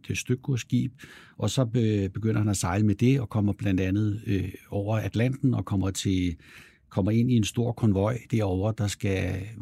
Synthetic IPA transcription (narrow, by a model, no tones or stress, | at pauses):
d̥esd̥øɡ̥osɡ̥ḭːb̥ | ʔɒ̽sɒ̽b̥e̝ɡ̥øn̰ɐɦhænæsɑ̈ɪləmed̥e̝ɒ̽kʰɒ̽m̰ɐb̥læn̰d̥ænð̞̩ˠɒʊ̰ɐæd̥læn̰d̥n̩ɒ̽kʰɒ̽m̰ɐt͡sʰe̝ | kʰɒ̽m̰ɐe̝n̰ie̝nsd̥o̝ɐ̰kʰɒ̽nʋɒ̽ɪ̰d̥eɐɒʊ̰ɐd̥ɑ̈sɡ̥æ